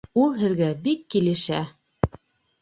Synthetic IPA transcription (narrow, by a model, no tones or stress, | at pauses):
ulˠɦɘ̆ðɡæbikːilɘ̆ʃæ